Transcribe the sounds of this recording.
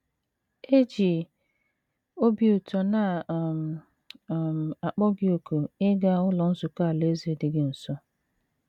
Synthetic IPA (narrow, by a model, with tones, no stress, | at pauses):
e˦d͡ʒi˨ | o˦bi˦u˨tɔ˨na˨m˨ | m˨a˨k͡pɔ˦ɡɪ˦o˨ko˨ɪ˦ɡa˦ʊ˦lɔ˨n̩˦zʊ˨ka˦˨le˦zi˨dɪ˨ɡɪ˦n̩˨sɔ˦